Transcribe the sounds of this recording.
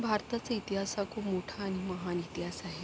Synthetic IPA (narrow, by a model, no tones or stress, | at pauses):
bʱaɾt̪at͡sait̪iɦasakʰuːpmoʈʰaːɽ̃iməɦanit̪iɦasaɦe